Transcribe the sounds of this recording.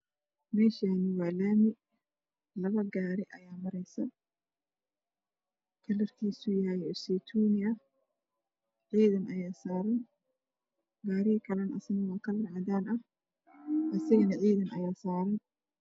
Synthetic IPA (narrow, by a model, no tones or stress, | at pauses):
mɛːʃaːnɪwaːlaːmɪ | lɐβɐɡaːɾɪʔɐjaːmɐɾɛjsɐ | kʰɐlɐrkʰiːsujajɛsɛt̪ʰuːnɪɐ | ʕiːðɐnʔɐjaːsaːɾɐn | ɡaːɾɪɐkʰɐlɐnʔɐsɐnɐwaːkʰɐlɐrʕɑd̪aːnɐh | ʔɐsɐɣɐnɐʕiːðɐnʔɐ̰jaːsaːɾɐn